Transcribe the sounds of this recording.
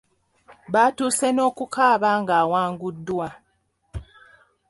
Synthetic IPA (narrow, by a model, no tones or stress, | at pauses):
βaːtuːseno̞ːkukaːβaːŋɡaːwaːŋɡudːwa